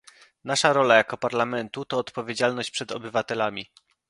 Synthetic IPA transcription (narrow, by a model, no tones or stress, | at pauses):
naʂaɾɔlajakɔpaɾlamɛnt̪ut̪ɔːt̪pɔvʲjed͡ʑalnɔɕt͡ɕpʂɛd̪ɔbɘvat̪ɛlamʲi